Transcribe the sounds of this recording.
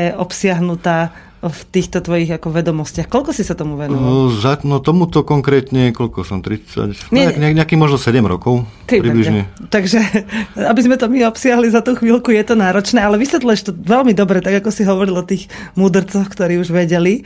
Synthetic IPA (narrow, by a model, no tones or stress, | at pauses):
ɛʔɔpsɪaɦnut̪aː | ft̪iːxt̪ɔt̪ʋɔjiɣakɔʋɛd̪ɔmɔscɪaxkɔʎkɔsisat̪ɔmuʋɛnzanɔt̪ɔmut̪ɔkɔŋkɾɛːt̪ɲɛkɔlkɔsɔmt̪ɾit͡sa̰cɲɛɛaɲɛakiːmɔʒnɔsɛɟɛmɾɔ̰kɔʊk̪ɛpɾibliʒɲɛt̪aɡʒɛabizmɛt̪ɔmiɔpsɪaɦlizat̪uːxʋiːlkujɛt̪ɔnaːɾɔt͡ʃnɛːalɛʋisʋɛt̪luɛʃt̪ɔʋɛlmid̪ɔbɾɛt̪aɡakɔsiɦɔʋɔɾilɔt̪iːxmuːd̪r̩t͡sɔxkt̪ɔɾiːuʒʋɛɟɛli